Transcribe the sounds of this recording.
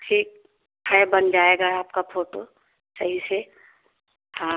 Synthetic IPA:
ʈʰiːk̚ | hɛbənd͡ʒaːeɡaaːpkapʰoːʈo | t͡ʃaɦise | hãː

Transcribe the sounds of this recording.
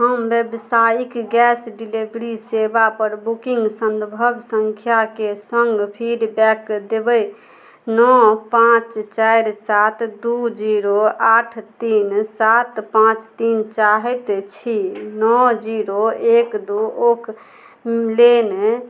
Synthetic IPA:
ɦəmbjebsajikɡɛsɖilibɾisebapəɾbukiŋɡsənd̪bʱəbsəŋkʰjakesəŋɡpʰiɖbɛkd̪ebɛj | nɔpãt͡ʃt͡ʃajɾsat̪d̪ud͡ʒiɾoʔaʈʰt̪insat̪pãt͡ʃt̪int͡ʃaɦɛt̪t͡ʃʰinɔd͡ʒiɾoekd̪uokʰ | lene

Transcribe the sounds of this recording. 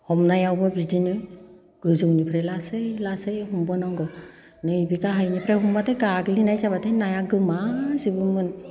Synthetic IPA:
hɔmnajawbɯbidinɯ | ɡ̥ɯzuwnipʰɾelasɯjlasɯjɦumbɯnɔŋɡɯ | nɯjbiɡaɦajnipʰɾehumbatʰejɡaɡlinajzabatʰenajaɡɯmazibɯmɯn

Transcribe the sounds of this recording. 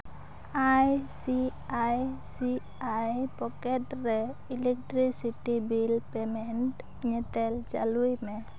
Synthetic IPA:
ajsiajsi | ajpɔkɛtrɛilɛk̚t̪ɾisit̪ibilpɛmɛnt | ɲɛt̪ɛld͡ʒa̰lujmɛ

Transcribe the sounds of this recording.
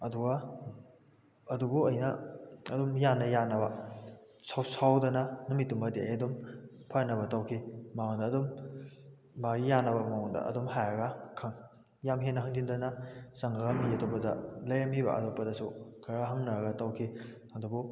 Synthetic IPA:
ɐduɡɐ | ɐdubuɐjnɐɐdumjanːɐjanɐbɐ | sawsawdɐnɐnumitːumɐdeajɐdumpʰajnɐbɐtawkʰimawandɐːdumː | aɡijanɐbɐmawondɐ̰ɐ̰dumhajɐɡɐkʰaŋ | jamɦenɐɦaŋdindɐnɐsaŋaɡamiɐtopɐdɐlɐjɐmibɐ̰ʔɐ̰topːɐdɐsukʰaɾaɦaŋnɐɾɐɡɐtawkʰi | ɐdubu

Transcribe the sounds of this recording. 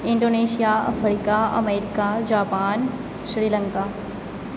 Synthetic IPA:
ɪ̃ɳɖoːneːʃijaɐ̰fɾikaɐ̰meːɾikad͡ʑaːpaːn | ʃɾiːlɐ̃ŋka

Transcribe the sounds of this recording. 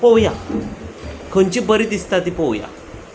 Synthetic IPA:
powja̰ | kʰənt͡ɕibəɾit̪ist̪at̪ipowja̰

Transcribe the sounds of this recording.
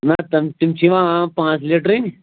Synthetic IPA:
nat̪ɐmt̪imt͡ʃʰiʋãpãːt͡sliʈɾin

